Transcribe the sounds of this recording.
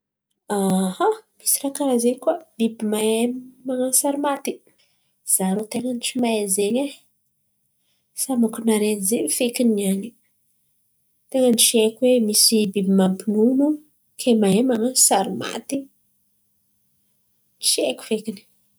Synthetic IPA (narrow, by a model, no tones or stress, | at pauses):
ahami̥si̥rakaɾazekwab̥ibimaemaŋasaɾimat̪i̥ | z̥aɾot̪eŋənit͡ʃimaezeɲe | samakunaɾenzeɲfekiniani | t̪eŋənit͡ʃiekʲwemisibibimampinunu | kʰemaemaŋasaɾima̰t̪i | nt͡ʃiekʲu̥fekini̥